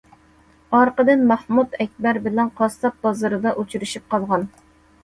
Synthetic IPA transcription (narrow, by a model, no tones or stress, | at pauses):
ɑɾqəd̪ɨnmɑhmut̪ɛk̚ʲbæɾbɪlɛnqʰɑst̪ɑt̪̚bɑzɨɾɨd̪ɑʔut͡ʃʰyɾyʃip̚qʰɑlˠʁɑn